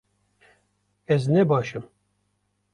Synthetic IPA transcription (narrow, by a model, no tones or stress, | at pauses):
ɛznɛbɑːʃɨm